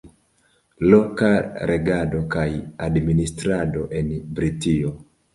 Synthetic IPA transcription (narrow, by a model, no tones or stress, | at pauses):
lokaɾeɡado̞kajadministɾadoʔenbɾitio